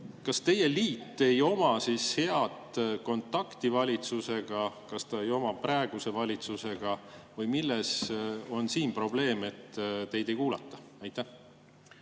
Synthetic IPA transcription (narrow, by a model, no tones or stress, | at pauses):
kɑst̪e̞je̞liːt̪ːe̞jo̞mɑsishe̞ɑd̪ko̞nt̪ˑːɑkt̪ivɑlʲit̪suse̞ɡ̥ɑkɑst̪ɑejo̞mɑprɑeɡ̥use̞vɑlʲit̪suse̞ɡ̥ɑvɤjmilːe̞so̞nsiːnpro̞ble̞ːme̞t̪ːt̪e̞jd̪e̞jkuːlɑ̰t̪ːˑɑ̥ | ɑjt̪ːˑæh